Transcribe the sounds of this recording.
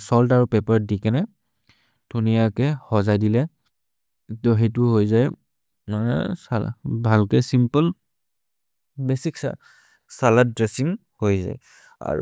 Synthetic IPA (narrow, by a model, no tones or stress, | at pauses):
sɔltaɹupɛpaɹdikɛnɛ | d̥ʱunijakɛhɔzajdilɛ | tɔɦetʊɦojzaj | manɛ̰sa̰bʱalkɛsimpɔl | besiksa̰ | salad̚dɹesiŋ | hojza̰j | a̰ɹṵ